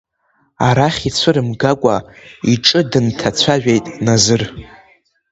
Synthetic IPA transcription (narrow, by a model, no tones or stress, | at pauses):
aɾaχʲit͡sʷʰɨɾɨmɡakʷʼaiʈ͡ʂʼɨdɨntʰat͡sʷʰaʒᶣejtʼnazɨr